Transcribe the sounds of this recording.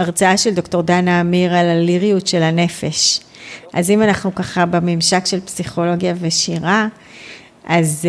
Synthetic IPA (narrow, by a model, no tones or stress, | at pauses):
ʔaʁt͡saaʃeld̪o̞kto̞ʁdanaːmiʁalaliʁijutʃelhane̞feʃ | ʔazimanaχnukaχabemimʃakʃe̞lpsiχo̞lo̞ɡjave̞ʃiʁa | ʔaz